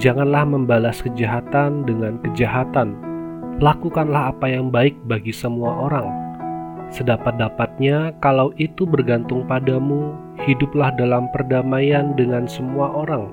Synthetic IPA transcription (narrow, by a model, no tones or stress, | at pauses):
d͡ʒaŋanlahməmbalaskəd͡ʒaɦat̪andəŋankəd͡ʒaɦat̪anlakukanlahapajaŋbaɪk̚baɡisəmuaʔoɾaŋ | sədapat̪̚dapat̪̚ɲakalawʔit̪ubərɡant̪ʊŋpadamu | hidʊp̚lahdalampərdamajandəŋansəmuaʔoɾaŋ